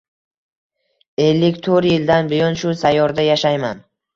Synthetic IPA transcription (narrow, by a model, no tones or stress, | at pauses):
e̞lːɪkʲt̪ʰoɾjɪld̪anbɪjɒnʃʊsajːɒɾd̪ajaʃajman